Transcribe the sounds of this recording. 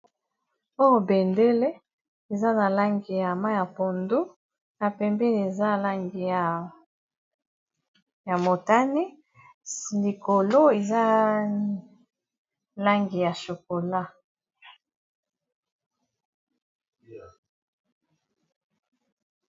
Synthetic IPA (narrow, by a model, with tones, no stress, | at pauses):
o˦jo˦be˨nde˦le˦ | e˨za˦na˨la˦ŋɡi˨ja˨ma˦ja˨po˨ndo˦ | na˨pɛ˨mbɛ˦ni˨e˨za˦˨la˦ŋɡi˨ja˨ | ja˨mo˨ta˦ni˦ | li˨ko˨lo˦e˨za˦ | la˦ŋɡi˨ja˨ʃo˨ko˨la˦